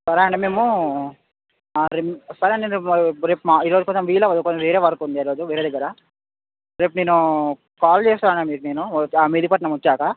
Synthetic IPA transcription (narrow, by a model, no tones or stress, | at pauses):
sɐɾaːɳɖimeːmu | ɾsɐɾɐɳɖeɾeːpmaiːɾoːd͡ʒukont̪ɐmʋiːlɐʋɐd̪konʋeːɾeːʋɐɾkund̪iɐɾo̞ːd͡ʒuʋeːɾed̪ɐɡːɐɾa | ɾeːpneːnu | kaːlt͡ʃeːst̪aːɾɐɳamiːɾuneːnuaːmed̪ipɐʈnɐmɐt͡ʃːaːkɐ